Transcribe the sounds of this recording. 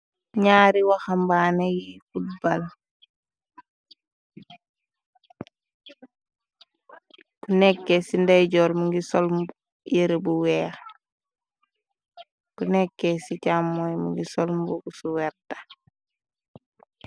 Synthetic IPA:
ɲaːɾiwaxambaːnejikudbal | kunɛkːɛsindajɟɔːɾmuŋɡisɔlmbu | ʔeɾebuwɛːx | kunɛkːɛsicamːɔjmṵŋɡisɔlmbukusuwɛrtḁ

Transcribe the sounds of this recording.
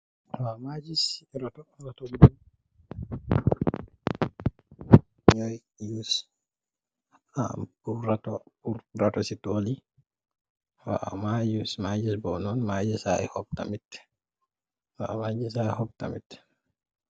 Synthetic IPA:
wamad͡ʒisɾatɔɾatɔduu | ɲɔj | jus | apuɾatɔpuɾɾatɔsitoli | wa̰ʔa̰majusmad͡ʒisbɔnɔnmad͡ʒisaihɔp̚ta̰mitːɛ̥ | wa̰ʔmad͡ʒisahɔp̚ta̰mitːɛ̥

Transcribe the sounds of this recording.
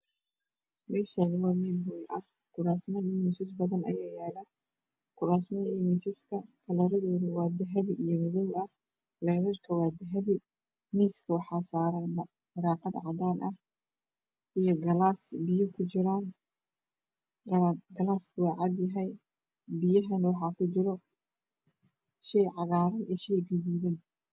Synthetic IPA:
mɛːʃaðɪwaːmiːnɦʊlʔɐ̰ | kʊɾaːsmɐniːmiːsɪsbɐðɐnʔɐ̰jaːjɛːlɐ | kʰʊɾaːsmɐimiːsɪskʰɐkʰɐlɐɾɐðɔːðɐwaːd̪ɛɦɐβiʔijɞmɪðɔwɐ | lɛːɾɛrkʰɐwɑːd̪ɛɦɐβɪ | miːskʰɐwɑħɑːsaːɾa | mɐɾɑːqɑd̪ʕɑd̪aːnʔɐh | ʔijɞɡɐlaːsbɪjʊkʰʊt͡ʃɪɾaːn | ɡɡɐlaːskʰɐwɑːʕɑd̪jɐɦɛj | bɪjɐɦɐnwɑħɑːkʰʊt͡ʃɪɾɔ | ʃɛjʕɑɣaːɾɐnʔiʃɛjɡɪðuːðɪn

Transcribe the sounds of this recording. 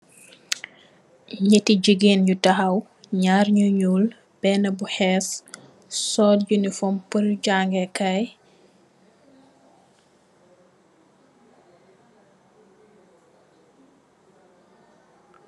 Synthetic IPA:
ɲɛtiɟiɡeːnɲutɐxɐw | ɲaːɾɲuɲul | b̥ɛnɐbuhɛːs | sɔlɟunifɔmpəlɟaːŋɡɛkɐj

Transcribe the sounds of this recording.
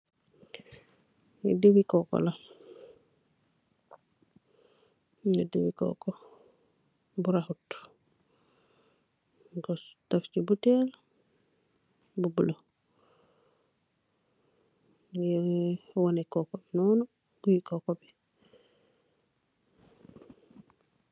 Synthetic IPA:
jɛdiwikɔkɔ̰la | jɛdiwikɔ̰kɔ | buɾahut | ɡɔsd̥afcibutɛl | bubulo | jɛwɔnɛkɔkɔbinɔːnu | ɡ̥ujikɔkɔbi

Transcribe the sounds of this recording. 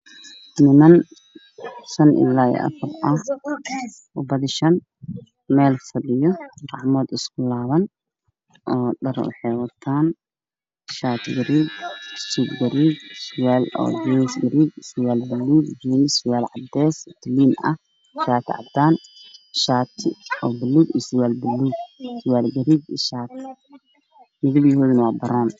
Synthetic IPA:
nɪmɐn | ʃɐnʔɪ̰laːḭʔɐ̰fɐrʔɐh | ʔʊbɐðɪʃɐn | mɛːlfɐɗɪjɔrɑʕmɔːd̪ɪskʰʊlaːβɐn | ʔɔːɗɐɾɐ̰wʊ̰ħɛjwɐt̪ʰaːn | ʃaːt̪ɡɐɾiːɡst͡ʃʰiːd̪ɡɐɾiːɡswaːlɔ̰ːd͡ʒiːnɪsɡɐɾiːɡswaːlbɪlːuːɡd͡ʒiːnɪswaːlʕad̪ɛːst̪ʰliːnɐ̰h | ʃaːt̪ʰʕa̰bd̪aːnʃaːt̪ʰːɪɔbɪlːuːɡɪswaːlbɪlːuːɡswaːlɡɐɾiɡʃaːt̪ | mɪðɐbjɐɦɔðɪnwaːbɐɾɔːn

